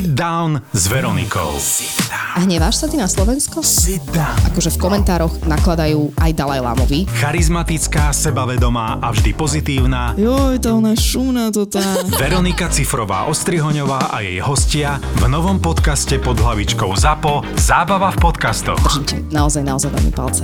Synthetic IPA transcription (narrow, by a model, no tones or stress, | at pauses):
d̪aʊnzʋɛɾɔnḭkɔ̰ʊ | aɦɲɛʋaːʃsat̪inaslɔʋɛnskɔ | ʔa̰kɔʒɛfkɔmɛnt̪aːɾɔɣnaklad̪ajuːʔajd̪alajla̰ːmɔʋixaɾizmat̪it͡skaːsɛbaʋɛd̪ɔmaːʔavʒd̪ipɔzit̪iːʊnaːjɔjt̪aɔnaʃumnat̪ɔt̪aːʋɛɾɔnikat͡sifɾɔʋa̰ːʔɔst̪ɾiɦɔɲɔʋaːʔa̰jɛjɦɔscɪa | vnɔʋɔmpɔt̪kascɛpɔd̪ɦlaʋit͡ʃkɔʊzapɔzaːbaʋafpɔt̪kast̪ɔ̰dxrrʒimcɛnaɔzajnaɔzajd̪ɔ̰nḭːpa̰lt͡sɛ